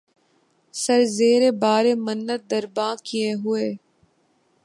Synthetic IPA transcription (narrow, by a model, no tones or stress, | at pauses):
sɐɾzeːɾebaːɾemənːət̪̚d̪əɾbãːkieɦʊeː